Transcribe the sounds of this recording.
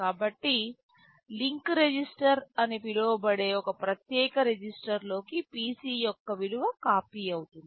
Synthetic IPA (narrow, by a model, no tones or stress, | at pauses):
kaːbɐʈːi | liŋkɾe̞d͡ʒisʈɐɾɐnipiloːbɐɽe̞ːɔkɐpɾɐt̪jɛːkɐɾed͡ʒisʈɐɾlo̞ːkipiːsiːjɔkːɐʋiɽuʋɐkaːpiːɐwut̪und̪i